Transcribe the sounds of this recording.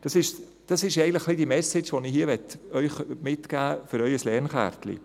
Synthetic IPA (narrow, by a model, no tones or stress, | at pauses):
d̥ɑsɪʃ | d̥ɑsɪʃɛɪɡŋn̩tləχlid̥imɛsɪt͡ʃʋɔniɦiːʋɛtœʏχmɪtkæːfʏɾœʏəslɛːɾnχæ̰ːɾt̪lḭ